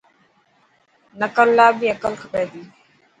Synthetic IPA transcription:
nəkəlːaːbiːəkəlkʰəpeːd̪iː

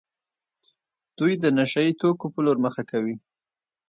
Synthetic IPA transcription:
d̪̥ujd̪ənaʃajit̪okopəloɾməxakawi

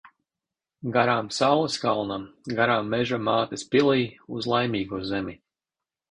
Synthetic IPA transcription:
ɡaɾaːmsawlˠɛskalˠnaɡaɾaːmːɛʒamaːt̪ispilˠiːuzlˠajmiːɡuːzɛmʲi

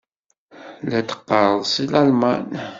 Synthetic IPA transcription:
læt̪ə̥qːəɾˤðˤsilælman

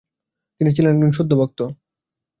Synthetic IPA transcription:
t̪init͡ɕʰilenɡinʃod̪ʱːobɔk̚t̪o

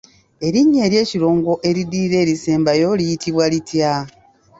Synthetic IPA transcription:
e̞ɾiɲːe̞ːɾje̞ːciɾo̞ːŋɡo̞ʔe̞ɾidiːɾe̞ːɾiseːmbajo̞lijitʰiβwalitja

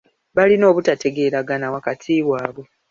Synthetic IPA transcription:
βalino̞ːβutate̞ɡe̞ɾaɡanawakatʰiːβwaːβwe̞

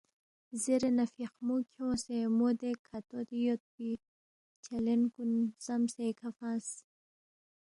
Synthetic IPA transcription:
zeɾenafiqmukʰjõsemod̪ekʰat̪od̪ijot̪̚bi | t͡ʃʰalenkunz̥amsekʰafãːs

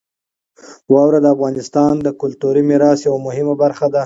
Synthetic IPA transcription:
wɑwɾad̪əafɣɑnɪst̪ɑnd̪əkʊlt̪uɾimɪɾɑsjawamʊhɪmabaɾxad̪a

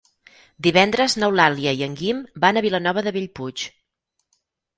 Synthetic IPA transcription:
d̪iβɛnd̪ɾəznəwlalˠiəiəŋɡimbanəβilənɔβ̞əðəβiʎput͡ʃ

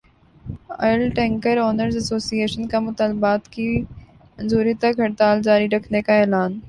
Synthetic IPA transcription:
ɐ̰ːəlʈɛ̃ːŋkəɾɔːnəɾzɐsoːsieːʃənkãmʊt̪aːlbaːt̪ki | mɐ̃nzuːɾit̪aɡʱɐɽt̪aːld͡ʑaːɾiɾɐkʰnekãeːlaːn

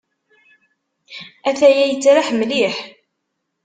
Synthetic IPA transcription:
æθæjæjət͡sːɾaħmliħ

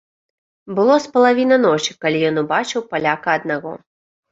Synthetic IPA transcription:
bɨlˠɔspɐlˠavʲinɐnɔt͡ʂi̥kalʲijɔnubat͡ʂɨwpalʲakɐːd̪naɣɔ̰

